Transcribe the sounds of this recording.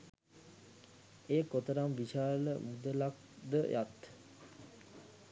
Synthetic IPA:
eːkot̪əɾamʋiʃaːɾləmud̪əlak̚ | d̪əjʔat̪

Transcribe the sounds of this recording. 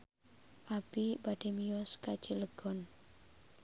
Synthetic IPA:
ʔab̥ibaɖ̥emiɔskḁt͡ʃələɡ̥ɔn

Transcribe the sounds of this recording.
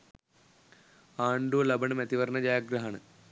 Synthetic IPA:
aːɳɖulɐbʱɐɳɐmet̪iʋɐɾɳɐd͡ʑaːjɐɡɾɐɦɐɳɐ

